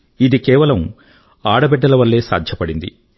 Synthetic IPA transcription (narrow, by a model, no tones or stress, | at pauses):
id̪ikɛːʋɐlɐm | aːɽɐbɛɖːɐlɐʋɐlːe̞ːsa̰ːd̪ʱjɐpɐɽind̪ḭ